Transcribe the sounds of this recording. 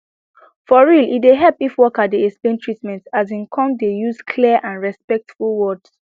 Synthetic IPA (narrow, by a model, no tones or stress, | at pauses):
fɔɹilitdeɦɛlpifwɔkadiɛkspẽntʰɹitmɛ̃ntazĩnkʰɔ̃mdejuzkʰliʔãnɹɛspɛk̚tfulwɔds